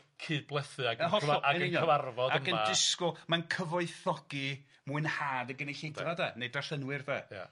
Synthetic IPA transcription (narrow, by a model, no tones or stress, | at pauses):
kʰɨːd̚blˠɛθɨaɡəɦɔɔaɛnəɪnjɔəvarvɔdaəmənɪskɔmankʰəvɔɨθɔɡ̥i | muɨnhaːdəɡəneɬejdvadanedaɬənwɨrðɛja̰